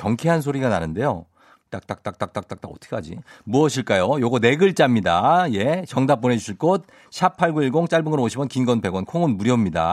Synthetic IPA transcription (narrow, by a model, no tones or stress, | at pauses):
kjʌŋkʰeɦans̬ʰoɾiɡananɯnde̞jo | t͈ak̚t͈ak̚t͈ak̚t͈ak̚t͈ak̚t͈ak̚t͈aʌtʰɯ̥kʰkad͡ʑḭmuʌɕʰiɭk͈ajojoɡʌne̞ɡɯɭt͡ɕ͈amɲidaje̞t͡ɕʌŋdap̚p͈une̞d͡ʑuɕʰiɭk͈ot̚ | ɕʰapʰːaɭɡuiɭɡoŋt͡ɕ͈aɭbɯŋɯɾooɕʰibʌnkinɡʌnpe̞ɡwʌnkʰoŋɯnmuɾjʌmɲida̰